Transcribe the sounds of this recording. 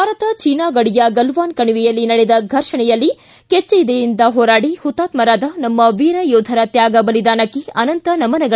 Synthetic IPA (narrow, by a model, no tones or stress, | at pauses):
aːɾɐt̪ɐt͡ʃiːnaːɡɐɽijɐɡɐlʋaːnkɐɳuʋijɐlːinɐɽɛd̪ɐɡʱɐɾʂɐɳɛjɐlːi | ket͡ʃːeid̪ejind̪ɐɦɔːɾaːɽihut̪ːaːt̪mɐɾaːd̪ɐnɐmːɐʋiːɾɐjɔːd̪ʱɐɾɐt̪jaːɡɐbɐlid̪aːnɐkːiɐnɐnt̪ɐnɐmɐnɐɡɐ